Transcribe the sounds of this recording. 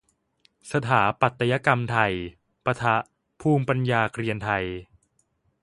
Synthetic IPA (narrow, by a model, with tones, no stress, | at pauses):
sa˧t̪ʰaː˩˦pa˨˩t̪ːa˧ja˦˥ka˧mt̪ʰa˧j | pa˧t̪ʰa˦˥ʔ | pʰuː˧˩mpa˧njaː˧kɾi˧ənt̪ʰa˧j